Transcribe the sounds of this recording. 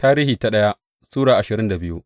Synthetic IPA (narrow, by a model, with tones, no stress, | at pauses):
taː˦ɾiː˦hiː˨ta˨ɗɐ˦ja˦ | suː˦ɽaː˨ʔa˨ʃɪ˨ɾɪ˦nda˨bɪ˦ju˦ʔ